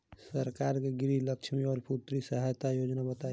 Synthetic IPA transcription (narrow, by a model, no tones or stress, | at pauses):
səɾkaɾkeɡɾiləkt͡ʃʰmiɔːɾput̪ɾisəɦajt̪ajod͡ʒnabət̪a